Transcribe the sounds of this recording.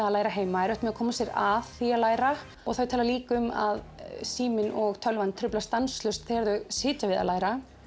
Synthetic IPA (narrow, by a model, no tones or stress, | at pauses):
alaːjɾaɦeːjmaɛɾœht̪mɛakʰɔːmasjɛɾaðθiːalaːjɾa | ɔɣθawt̪ʰaːlaliːkʏma̰ðsiːmɪnɔɣt̪ʰœlvant̪ʰɾʏplast̪anst̪lʏst̪θejɛɾðʏɣsɪːc̪avɪða̰laːjɾa